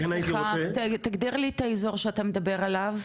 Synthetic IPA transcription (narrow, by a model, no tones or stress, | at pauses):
χatt̪aɡd̪iʁlit̪aezo̞ʁʃeat̪amed̪abe̞ʁalav